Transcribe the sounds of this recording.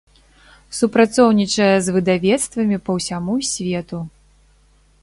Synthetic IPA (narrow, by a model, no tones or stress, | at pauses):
supɾat̪sɔwnʲit͡ʂɐjɛzvɨd̪avʲɛt̪st̪vɐmʲipɐwsʲamusʲvʲɛt̪u